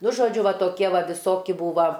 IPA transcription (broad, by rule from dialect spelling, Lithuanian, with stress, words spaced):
ˈnʊ ʒoːˈd͡ʒʲʊ ˈʋɐ ˈtoːkʲiɛ ˈʋɐ ʋʲɪˈsoːkʲɪ ˈbuːʋɐ